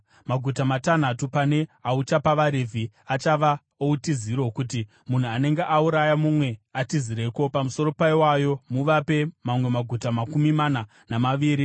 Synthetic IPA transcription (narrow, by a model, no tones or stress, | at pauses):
maɡʱutamatan̤atupane̞aut͡ʃapaʋaɾevʱiat͡ʃaʋa | outiziɾo̞kuti | mun̤uane̞ŋɡeʔauɾajamumwe̞atiziɾe̞ko̞pamuso̞ɾo̞paiwajo̞muʋape̞mamwe̞maɡʱutamakumimana | namaʋiːɾi